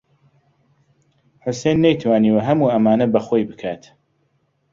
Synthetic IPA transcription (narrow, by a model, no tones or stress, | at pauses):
ħʊsejnːɛjt̪ʰwaːniːwɐɦɐmuːɐmaːnɐbɐxojbɨkʰaːt̪